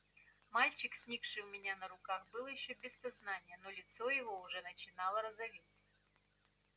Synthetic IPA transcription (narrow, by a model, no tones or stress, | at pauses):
malʲt͡ɕɪksʲnʲikʂɨʊmʲɪnʲanəɾʊkaxbɨlˠjɪɕːobʲɪsɐznanʲɪjənolʲɪt̪sojɪvoʊʐɛnət͡ɕɪnalˠəɾəzɐvʲittʲ